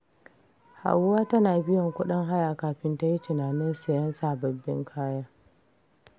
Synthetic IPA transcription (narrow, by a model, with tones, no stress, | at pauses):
ha̰˨wwaː˦tɐ˦naː˨bɪ˦jɔ˨ŋkʷʊ˦ɗɪ˦ŋɦa˦jaː˨kaː˨ɸɪ˦nta˦ji˦tɪ˨naː˨nɪ˦nsɐ˨jɐ˦nsaː˨bɐ˨bːɪ̰˦ŋkʰaː˦jaː˦